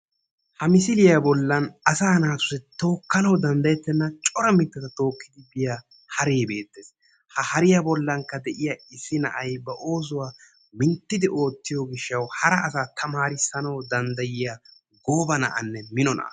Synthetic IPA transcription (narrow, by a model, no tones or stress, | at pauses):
hɐmɪsɪlɪjabɔlːɐnɐsaːnaːt̪ʊ̥sɛt̪o̞ːkːɐnɐwd̪ɐnd̪ɐjɛt̪ːɛnːɐt͡ʃʼɔɾɐmɪt̪ːɐt̪ɐt̪o̞ːkːɪd̪ɪbɪjaː | hɐɾeːbe̞ːt̪ːe̞ːs | hɐhɐɾɪjabɔlːɐŋkːɐd̪ɛʔɪjaɪsːɪnɐ̰ʔɐjbɐʔo̞ːsʊwaː | mɪnt̪ːɪd̪ɪʔo̞ːt̪ːɪjɔɡɪʃːɐwhɐɾɐʔɐsaːt̪ʰɐmaːɾɪsːɐnɐwd̪ɐnd̪ɐjɪja | ɡo̞ːbɐnɐ̰ʔɐ̰nːɛmɪnɔnɐ̰